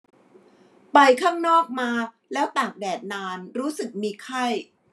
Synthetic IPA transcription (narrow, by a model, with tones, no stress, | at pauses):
pa˧jkʰaː˥˩ŋnɔː˥˩k̚maː˧ | lɛː˦˥wt̪aː˨˩k̚dɛː˨˩t̪̚naː˧nɾuː˦˥sɯ˨˩k̚miː˧kʰa˥˩j